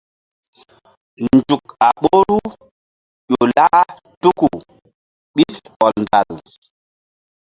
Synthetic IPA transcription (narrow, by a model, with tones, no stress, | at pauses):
nd͡ʒu˨ka˨ɓo˦ɾu˦ | ʄo˨laː˦ | tu˦ku˨ | ɓi˦tɔ˨lnda˨l